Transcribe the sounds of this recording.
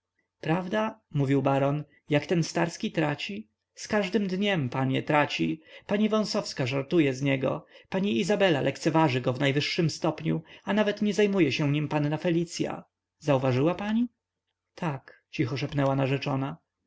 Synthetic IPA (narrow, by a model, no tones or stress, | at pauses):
pɾavd̪amuvʲiwbaɾɔn | jakt̪ɛnst̪aɾskʲit̪ɾat͡ɕi | skaʐd̪ɘmd̪ɲɛmpaɲɛt̪ɾat͡ɕipaɲivɔ̃w̃sɔfskaʐaɾt̪ujɛzɲɛɡɔ̰paɲiizabɛlalʔɛkt̪sɛvaʐɘɡɔvnajvɘʂːɘmst̪ɔpɲṵanavɛt̪ɲɛzajmujɛɕɛ̃ɲimpanːafɛlʲit̪sʲja̰ | zauvaʐɘwapaɲi | t̪ʰak | t͡ɕixɔʂɛpnɛwanaʐɛt͡ʂɔna